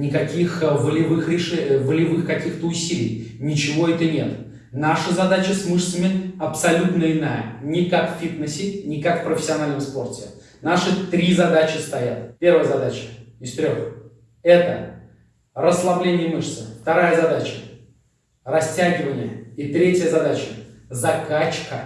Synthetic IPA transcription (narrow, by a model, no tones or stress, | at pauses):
nʲɪkɐkʲixvəlʲɪvɨxɾʲɪʂɛvəlʲɪvɨxkɐkʲixt̪əʊsʲilʲɪ̰jnʲɪt͡ɕɪvo̞ɛt̪ənʲe̞t̪ | naʂəzɐd̪at͡ɕəsmɨʂsəmʲɪɐpsɐlʲut̪nəɪnajənʲɪkakffʲit̪nəsʲɪnʲɪkakfpɾəfʲɪ̥sʲɪɐnalʲnəmspo̞rtʲɪ̰ | naʂɨt̪ɾʲizɐd̪at͡ɕɪst̪ɐjat̪̚pʲe̞rvəjəzɐd̪at͡ɕɪ̥ɪst̪ɾʲox | ɛt̪ə̰ | rəslˠɐblʲenʲɪjəmɨʂsəft̪ɐɾajəzɐd̪at͡ɕə̥ | rɐsʲtʲæɡʲɪvənʲɪjəit̪ɾʲetʲjəzɐd̪at͡ɕəzɐkat͡ɕkə